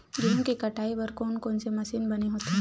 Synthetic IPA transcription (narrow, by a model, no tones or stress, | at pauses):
d͡ʒɪɦõkikɐʈʰaːiʋɐɾkoːnkoːnsemɐsinbɐneɦoːt̪e